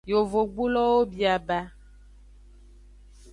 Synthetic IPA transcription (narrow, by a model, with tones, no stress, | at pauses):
jo˨vo˨ɡ͡bu˦lɔ˦wo˦bi˨a˨ba˦